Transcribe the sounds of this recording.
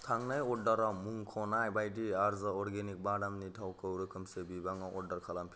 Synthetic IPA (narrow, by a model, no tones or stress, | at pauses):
t̪ʰaŋnajoɖaɾamuŋkʰɔnajbajʈiaɾzaɔɾɡenik̚baɽamnitʰawkəwɾɯkʰɯmsebibaŋɔʔɔɖːaɾkʰalampʰ